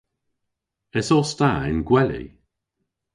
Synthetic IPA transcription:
ɛsɔstaɪ̰nɡwɛlḭ

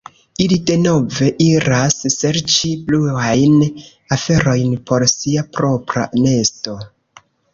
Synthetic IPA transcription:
ilide̞no̞ve̞ʔiɾasːe̞ɾt͡ʃibluajn | afe̞ɾo̞jnpo̞ɾsiapɾo̞pɾa̰ne̞sto̞

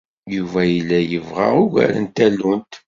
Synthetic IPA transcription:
juvæjəlːæjəvʁa̰ʁʊɡæ̰ɾə̰nt̪ælːunt̪

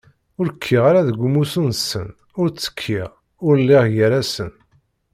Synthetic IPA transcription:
ʊɾəkʰːiʁaɾaðəɡʷumusunsːə̰n | ʊɾt͡sːə̥kʰːiʁ | ʊɾlːiʁjəɾæsən

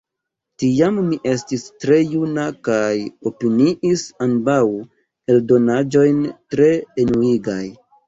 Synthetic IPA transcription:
tiammiʔe̞stistɾe̞junakajo̞piniʔisanbaw | e̞ldo̞nad͡ʒo̞jntɾe̞ːnuiɡaj

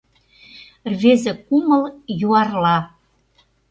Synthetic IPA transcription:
rvezɘ̆kuməljuɑrlɑ

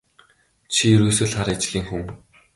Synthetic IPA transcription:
t͡ɕʰiɵɾuːsɵ̆ːɮχaɾat͡ɕ̆ɮʲiːŋxum

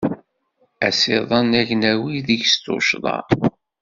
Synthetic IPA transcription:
æsɪðˤɑnæʝnæwiðiʝst̪o̰ʃðˤɑ̰

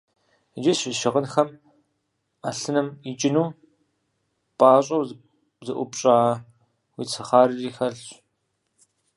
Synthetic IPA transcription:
d͡ʒɪɕʷiʃɪʁənxɐm | aɬɨnɨmit͡ʃʼɪnuː | pʼaːɕʼɐw | zɨʔʷʊpɕʼaː | wit͡sʰɐχaːɾɨriːxɐɮ

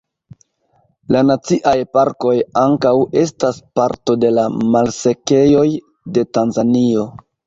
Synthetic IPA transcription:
lanat͡siʔajpaɾko̞jaŋkawe̞staspaɾto̞de̞lamalse̞ke̞jo̞j | de̞tanzanio̞

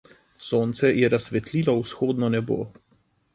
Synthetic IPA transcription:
soːnt̪sɛjɛɾasʋɛt̪liːlɔwsxoːd̪nɔnɛbo̰ː

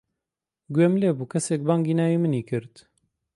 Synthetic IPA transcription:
ɡwemleːbuːkʰɛsek̚baːŋɡiːnaːjiːmɨniːkɨɾt̪

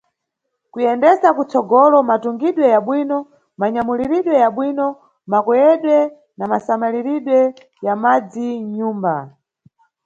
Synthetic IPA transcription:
kujɛndɛsakut͡sɔɡɔlɔmatuŋɡiɗwɛjaɓwinɔ | maɲamuliɾiɗwɛjaɓwinɔ | makwɛjɛɗwɛ | namasamaliɾiɗwɛ | jamad͡ziɲuːmba

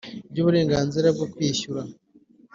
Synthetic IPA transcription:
bɟoβuɾe̞ːŋɡaːnziɾab̚ɡokwiːçuɾa

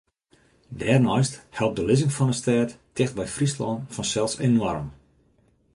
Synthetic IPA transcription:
dɛːrnɔjsthɛlˠp̚dəlɪzɪŋfɔnəstɛːttɪxtbɛjfrislɔnfɔnsɛlˠsenwɔrə̰m

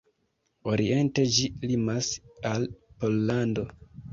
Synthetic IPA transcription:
o̞ɾʔḭe̞nte̞d͡ʒilimasalpo̞lːando̞

